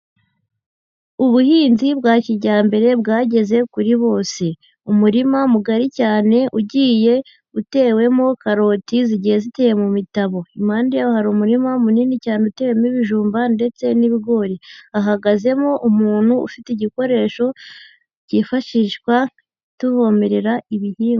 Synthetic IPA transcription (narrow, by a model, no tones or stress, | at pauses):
uβuhiːnzibɡaːciɾɟaːmbe̞ɾe̞b̚ɡaːɟe̞ze̞kuɾiβo̞ːse̞ | umuɾimamuɡaɾicaːne̞ʔuɟiːje̞ | ute̞ːwe̞mo̞kaɾo̞ːtiziɟihe̞zite̞ːje̞mumitaβo̞imaːndijaohaɾumuɾimamuniːnicaːne̞ute̞ːwe̞muiβiʒuːmbande̞t͡se̞niβiɡo̞ːɾiaɦaɡaze̞moʔumuːn̥huṵfiteiɟiko̞ɾe̞ːʃo̞ | ɟiːfaʃiːʃkwa | tuβo̞ːme̞ɾe̞ɾaiβihiːŋɡ